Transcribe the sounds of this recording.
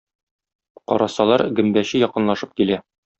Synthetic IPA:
qɒ̰ɾɑsɑlˠɑɾɡɘ̆mbæɕɘjɒqɤ̆nlˠɑʃɤp̚kilæ

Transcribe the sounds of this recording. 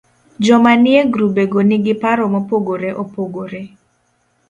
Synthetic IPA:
d͡ʒɔmanɪeɡɾubeɡoniɡɪpaɾɔmopoɡoɾeʔopoɡoɾe

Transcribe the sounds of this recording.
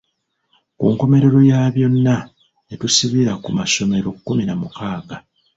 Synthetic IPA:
kṵːŋko̞me̞ɾe̞ɾo̞jaβjo̞nːa | etusiβiɾakumaso̞me̞ɾo̞kːuminamukaːɡa

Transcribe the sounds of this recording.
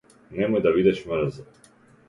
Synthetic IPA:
nɛmɔjd̪avid̪ɛʃməɾza

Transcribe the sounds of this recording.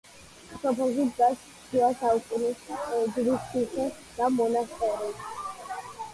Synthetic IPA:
sɔpʰɛlˠʃid̪ɡas | diasaukʼunisd͡ʒɾisisɛ | d̪̥amɔnast̪ʼɛɾɛ

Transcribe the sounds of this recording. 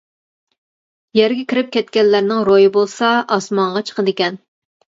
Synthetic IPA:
jɛɾɡʲɛkʲʰɪɾɪp̚kʲɛt̪kʲɛnːæɾnɪŋɾojibolˠsɑʔɑsmɑŋʁɑt͡ʃʰə̥qʰəd̪ɪkʲɛn

